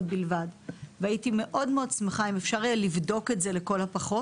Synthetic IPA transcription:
bilvadveaitime̞ʔo̞dmeo̞d̚t͡smeχaimefʃaʁlivdo̞ketze̞leko̞lhapaχo̞

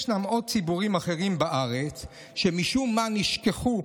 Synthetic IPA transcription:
ʃnamo̞d̚t͡sibuʁimaχe̞ʁimbaʔaʁet͡s | ʃemiʃumːaniʃkeχu

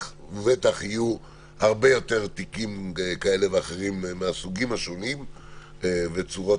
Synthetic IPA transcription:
vet̪aχiju | haʁbe̞jo̞t̪e̞ʁt̪ikimkae̞le̞veaχe̞ʁimːeasuɡimhaʃo̞nim | vet͡suʁo

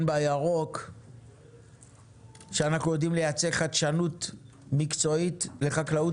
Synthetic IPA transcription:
nbajaʁo̞k | ʃeanaχnujo̞dimle̞jat͡seχat̪ʃanut | mikt͡so̞itle̞χaklau

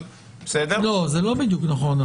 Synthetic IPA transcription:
besed̪elo̞zelo̞bid̪juknaχo̞n

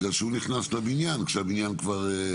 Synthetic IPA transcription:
ɡaʃeuniχnaslabinjankʃeabinjankvaʁe

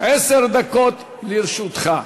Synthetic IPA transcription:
ʔeseʁd̪akot̪ | liɾʃut̪χa

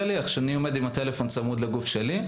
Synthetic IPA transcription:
liaχʃeanio̞me̞d̪imat̪e̞le̞fo̞nt͡samud̪leɡufʃeli

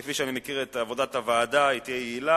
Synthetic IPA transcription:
efiʃeanimekiʁet̪aːvo̞dat̪avaːdait̪ijejeila

